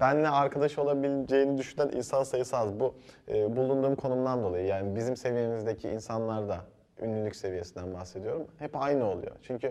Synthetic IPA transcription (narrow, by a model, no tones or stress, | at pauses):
bænlɛaɾkʰad̪aʃɯo̞lˠabilʲd͡ʒe̞jinid̪yʃynænʔḭnsansajɯsazbuɯːbulˠund̪uːmkʰo̞numd̪and̪o̞lˠajɯjaːnibizimse̞vijemizd̪e̞cʰiḭnsanlˠaɾd̪a | ynːʲylʲycse̞vije̞sind̪ænbaxse̞d̪ijo̞ɾumhɛpajnɯo̞lˠṵjo̞̰t͡ʃʰyɲcʰy